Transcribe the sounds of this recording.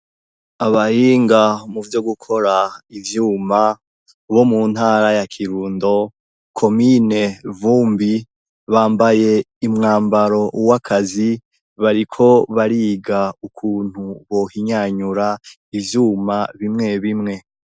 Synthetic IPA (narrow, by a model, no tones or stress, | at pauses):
aβahiːŋɡamuvjo̞ɡukʰo̞ɾaivjuːma | βo̞mun̥haːɾajakʰiɾuːndo̞ | kʰo̞mine̞vuːmbi | βaːmbaje̞ | imŋaːmbaɾo̞ʔuwakʰazi | βaɾikʰo̞βaɾiːɡaukʰuːn̥huβo̞hiɲaɲuɾa | ivjuːmaβimŋe̞βimŋe̞